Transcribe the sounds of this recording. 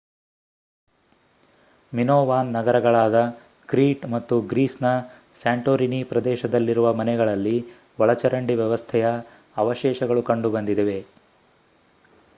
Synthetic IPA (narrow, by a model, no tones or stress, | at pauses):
minoːʋaːnːɐɡɐɾɐɡɐɭaːd̪ɐ | kɾiːʈmɐt̪ːuɡɾiːsnɐ | saːɳʈoːɾinipɾɐd̪ɛːʃɐd̪ɐlːiɾuʋɐmɐnɛɡɐɭɐlːi | ʋɔɭɐt͡ʃɐɾɐɳɖiʋjɛʋɐst̪ʰɛjɐː | ʋɐʃɛːʃɐɡɐɭukɐɳɖubɐnd̪id̪eʋe̞